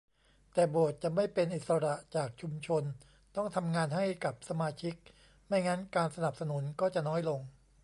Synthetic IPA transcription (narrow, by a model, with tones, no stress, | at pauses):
t̪ɛː˨˩bo˨˩ət̪̚t͡ɕa˨˩ma˥˩jpe˧nʔi˨˩t̪̚sa˧ɾa˨˩ʔt͡ɕaː˨˩k̚t͡ɕʰu˧mt͡ɕʰo˧n | t̪ɔ˥˩ŋt̪ʰa˧mŋaː˧nɦa˥˩jka˨˩p̚sa˧maː˧t͡ɕʰi˦˥k̚ | ma˥˩jŋa˦˥nkaː˧nsa˧na˨˩p̚sa˧nu˨˩˦nkɔː˥˩t͡ɕa˨˩ʔnɔː˦˥jlo˧ŋ